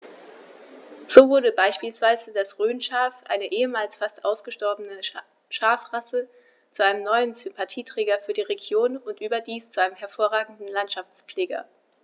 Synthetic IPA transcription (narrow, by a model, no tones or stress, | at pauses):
z̥oːvʊɐɾəbaɪʃpiːlsv̥aɪzədasʁøːnʃaːfʔa̰ɪnəʔeːəmaːlsfastʔaʊsɡ̥əʃtɔɐbənə | ʃaːfʁasə | t͡suʔaɪnəmnɔʏənz̥ʏmpʰatʰiːtʁ̥ɛːɡɐfyːɐdiːʁeɡjoːnʊntʔyːbɐdiːst͡suʔaɪnəmɦɛɐfoːɐʁaːɡŋ̩dn̩lantʃaft͡spp͡fleːɡɐ̰